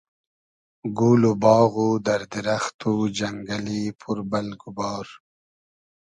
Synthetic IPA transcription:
ɡuːlubɑːɣud̪aɾd̪iɾaxt̪ud͡ʒaŋɡalipʰuɾbalɡubɑːɾ

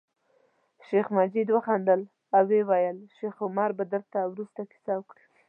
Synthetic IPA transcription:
ʃexmad͡ʒid̪wəxɑnd̪əl | awːewajəlʃexʊmɑɾbad̪əɾt̪awɾust̪akɪ̥sɑwəkɽi

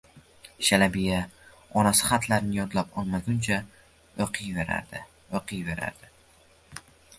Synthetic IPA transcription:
ʃalabija | ɒnasɪ̥χat̪ʰlaɾnɪjɒd̪lapɒlˠmaɡʲʊnt͡ʃʰa | oqʰɨjveɾa̰ɾd̪ɪ | oqʰɨjve̞ɾa̰ɾd̪ɪ

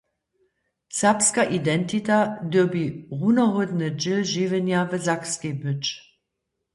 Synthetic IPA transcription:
sapskaʔidɛntʰitadøɐbiʁunɐɦodnəd͡ʒɪlʒiːvənjavəzakskebʏt͡ʃ

